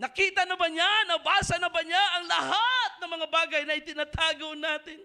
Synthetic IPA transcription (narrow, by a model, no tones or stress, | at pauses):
nɐkiːt̪ɐnɐbaɲanɐbaːsɐnɐbaɲaʔɐŋlɐɦat̪̚nɐŋmɐŋabaːɡɐjnɐʔɪt̪ɪnat̪ʰaːɡonaːt̪ɪn